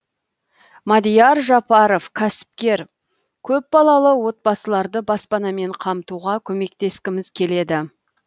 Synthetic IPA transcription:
mad̪ijɑɾʒɑpɑɾovkʲʰæsɪ̥p̚kʲe̞ɾ | kʲʰɵp̚bɑlˠɑlˠəwo̞t̪̚bɑsəlˠɑɾd̪əbɑspɑnɑme̞ɴqʰɑmt̪uʁɑkʲʰɵme̞k̚t̪e̞skʲɪmɪzkʲʰe̞le̞d̪ɪ

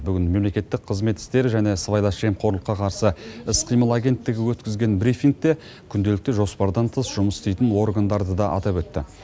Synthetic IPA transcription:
bʏɡʲɪnme̞mle̞kʲe̞t̪ːɪk̚qʰəzme̞t̪ɪ̥st̪e̞ɾɪʒæne̞svajlˠɑʃe̞mqʰo̞ɾlˠəqːɑqʰɑɾsəɪsqʰijməlˠaɡʲe̞nt̪ːɪɡʲɪwɵt̪kʲɪzɡʲe̞nbɾijfiŋk̚t̪e̞ | kʲʰʏnd̪e̞lɪkt̪ɪʒo̞spɑɾd̪ɑnt̪ʰəsʒ̥ʊməsɪst̪ejt̪ɪnwo̞rɡand̪ɑɾd̪əd̪ɑʔɑ̰t̪ɑpwɵt̪ːɪ̰

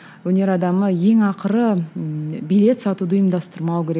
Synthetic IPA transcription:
wɵne̞ɾɑd̪ɑməje̞ŋɑqəɾə | bijle̞t̪sɑt̪ud̪əːjəmd̪ɑst̪əɾmɑwkʲʰe̞ɾe

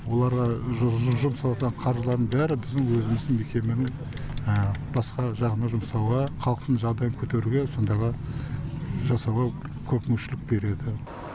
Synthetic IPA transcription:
wo̞lˠɑɾʁɑʒʒʊmsɑlwˠɑt̪ʁɑɴqʰɑɾʒlˠɑɾd̪əɴbæɾɪbɪzd̪ɪŋwɵzɪmɪzd̪ɪŋme̞kʲe̞menɪŋ | əb̥ɑsqɑʒɑʁənɑʒʊmsɑwʁɑqʰɑlˠəq̚t̪əɴʒɑʁd̪ɑjəŋkʲʰɵt̪e̞ɾuɡʲe̞so̞nd̪ɑʁɑ | ʒɑsɑwʁɑ | kʲʰɵpmʏʃɪlɪk̚be̞ɾe̞d̪ɪ

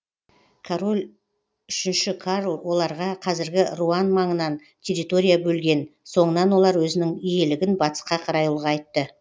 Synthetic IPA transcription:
kʰaɾo̞lʲ | ʏʃɪnʃɪkʰaɾlwo̞lˠɑɾʁɑqʰɑzɪɾɡʲɪruɑnmɑɴənɑn | tʲʰe̞ɾʲit̪o̞ɾʲijabɵlɡʲe̞nso̞ɴənɑnwo̞lˠɑɾwɵzɪnɪŋije̞lɪɡʲɪnbɑt̪ə̥sqɑqʰɑɾɑjulˠʁɑɑjt̪ːə

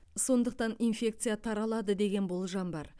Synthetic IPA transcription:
so̞nd̪əq̚t̪ɑnijnfʲe̞k̚t̪sɨjat̪ʰɑɾɑlˠɑd̪əd̪e̞ɡʲe̞nbo̞lˠʒɑmbɑɾ

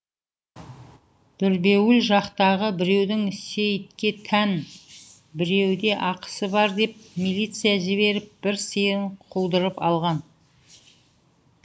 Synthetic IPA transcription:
d̪̥ʏɾbe̞wɪlʒɑqt̪ɑʁəbɪɾe̞wd̪ɪŋse̞jt̪̚kʲe̞t̪ʰæn | bɪɾe̞wd̪e̞ʔɑqə̥səbɑɾd̪e̞p̚mijlʲˠijt̪sɨjaʒɪβe̞ɾɪp̚b̥ɪɾsəjəɴqʰulˠd̪əɾəpɑlˠʁɑn

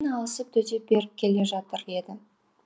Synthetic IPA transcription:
nɑlˠəsəp̚t̪ʰɵzep̚be̞ɾɪp̚kʲʰe̞le̞ʒɑt̪əɾe̞d̪ɪ

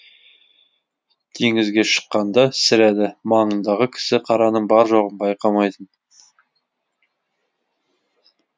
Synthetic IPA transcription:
t̪ʰeŋɪzɡʲe̞ʃə̥qːɑnd̪ɑsɪɾæd̪ɪmɑɴənd̪ɑʁəkʲʰɪ̥sɪqʰɑɾɑnəɴbɑɾʒoʁənbɑjqɑmɑjt̪ən

